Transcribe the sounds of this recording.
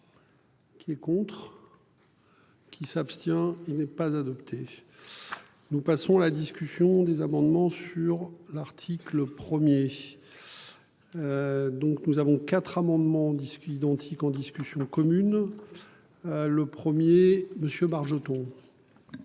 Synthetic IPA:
kʲʰiɛkɔ̃t̪χ | kʲʰisapst̪jɛ̃ilnɛpazad̪ɔpt̪ʰe | nupasɔ̃alad̪iskʲysjɔ̃d̪ezamɑ̃d̪mɑ̃syʁlaʁt̪ʰikləpχəmje | d̪ɔ̃knuzavɔ̃kat̪χamɑ̃d̪mɑ̃d̪isid̪ɑ̃t̪ʰikɑ̃d̪iskʲysjɔ̃kɔmyn | ləpχəmjeməsjøbaʁʒət̪ɔ̃

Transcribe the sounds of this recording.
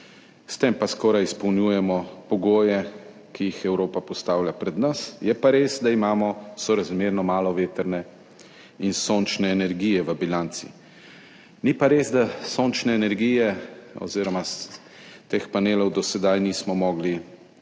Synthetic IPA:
st̪empaskɔːɾajispɔwnjuːjɛmɔpɔɡoːjɛ | kijixɛwɾoːpapɔst̪aːwljapɾɛd̪nasjɛpaɾeːsd̪aimaːmɔsɔɾazmeːɾnɔmaːlɔʋeːt̪əɾnɛ | insoːnt͡ʃnɛːnɛɾɡijɛʋəbilant̪sḭ | nipaɾezd̪asoːnt͡ʃnɛːnɛɾɡiːjɛɔ̰ziːɾɔmas | t̪eːxpaneːlɔwd̪ɔsɛd̪ajniːsmɔmɔːɡli

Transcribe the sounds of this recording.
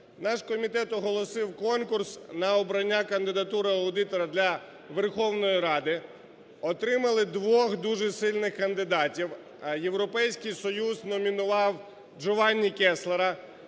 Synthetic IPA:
nɑʃkɔmʲit̪ɛt̪ɔɦɔlˠɔsɪwkɔnkursnɐɔbɾɐnʲːakɐnd̪ɪd̪ɐt̪uɾɪɐwd̪ɪt̪ɔɾɐd̪lʲɐ | ʋerxɔwnɔjiɾɑd̪ɪ | ɔt̪ɾɪmɐlˠɪd̪ʋɔxd̪uʒɛsɪlʲnɪxkɐnd̪ɪd̪ɑtʲiw | je̞wɾɔpɛjsʲkɪjsɔjuznɔmʲinʊʋɑw | d͡ʒɔʋɑnʲːikɛslˠeɾɐ

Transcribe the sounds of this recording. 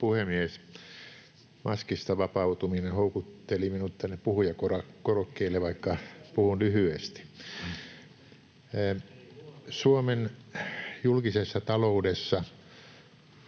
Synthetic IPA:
puhemies | mɑskist̪ɑʋɑpɑut̪uminehoukut̪ːeliminut̪t̪ænːeppuhujɑkorɑkorokːeilːeʋɑikːɑpuhunlyhyest̪i̥ | suomen | julkisesːɑt̪ɑloudesːɑ

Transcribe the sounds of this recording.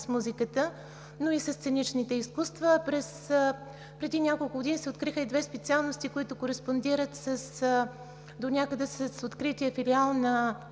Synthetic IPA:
smuzikət̪ə | noisəsːt̪sɛnit͡ʃnit̪ɛiskust̪vəpɾɛs | pɾɛd̪inʲjakolˠkʊɡod̪inisɛot̪̚kɾixəid̪vɛspɛt̪sialˠnost̪ikoit̪ʊkoɾɛspond̪iɾət̪səs | d̪onʲjakəd̪ɛsəsot̪kɾit̪iəfilialˠnɐ

